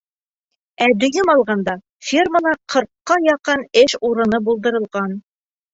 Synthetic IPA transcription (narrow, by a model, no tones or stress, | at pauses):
æd̪ɵ̆jɘmɑlˠʁɑnd̪ɑ | fʲirməlˠɑqʰɤ̆ɾqːɑjɑqɤnɘʃuɾɤ̆nɤbulˠd̪ɤ̆ɾɤ̆lˠʁɑn